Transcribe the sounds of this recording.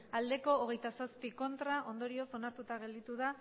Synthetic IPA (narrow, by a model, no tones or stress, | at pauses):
ald̪e̞ko̞ːɣ̞e̞jt̪asaspiko̞nt̪ɾaʔo̞nd̪o̞ɾio̞so̞naɾt̪ut̪aɣ̞e̞ld̪it̪uða